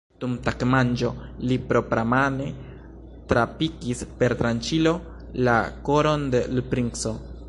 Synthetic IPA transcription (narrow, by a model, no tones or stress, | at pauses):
t̪umt̪akmand͡ʒo̞lipɾo̞pɾamane̞ | t̪ɾapikispe̞ɾt̪ɾant͡ʃilo̞ | lako̞ɾo̞nd̪elupɾiŋkso̞